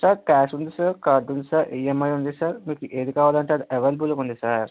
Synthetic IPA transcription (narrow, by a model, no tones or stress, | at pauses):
saːɾkaːsund̪isaːɾkaɾd̪und̪isaɾiːjemɐjund̪isaːɾmiːkuʔeːd̪ukaːʋaːlɐɳʈeɐd̪iʔeʋɐlbulɐkund̪isaːɾ